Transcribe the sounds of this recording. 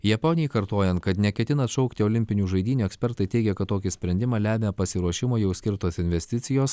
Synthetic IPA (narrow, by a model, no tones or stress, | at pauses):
jɛponʲɪjɪkɐɾt̪oːjɛnt̪̚kɐt̪nʲɛkʲɛt̪ʲɪnɐt̪ʃɔʊkt̪ʲɪoːlʲɪmʲpʲɪnʲuːʒɐɪd̪ʲiːnʲuːɛksʲpʲɛɾt̪ɐɪt̪ʲɛɪɡʲɛkɐt̪ːoːkʲɪsʲpʲɾʲɛnʲd̪ʲɪmɑːlʲæːmʲepɐsʲɪɾuɔʃʲɪmoːjɛʊsʲkʲɪɾt̪oːsɪnʲʋʲɛsʲt̪ʲɪt̪sʲɪjoːs